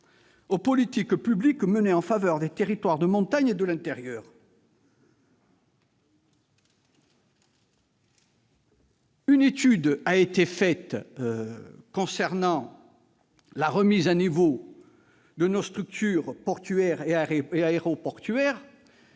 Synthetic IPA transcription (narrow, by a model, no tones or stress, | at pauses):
opɔlit̪ikpyblikməneɑ̃favœʁd̪et̪eʁit̪waʁd̪əmɔ̃t̪aɲed̪əlɛ̃t̪eʁjœːʁ | ynet̪yd̪aet̪efɛt̪ | kɔ̃sɛʁnɑ̃ | laʁəmizanivo | d̪ənost̪χyk̚t̪yʁpɔʁt̪yɛʁeeaeʁopɔʁt̪yɛʁ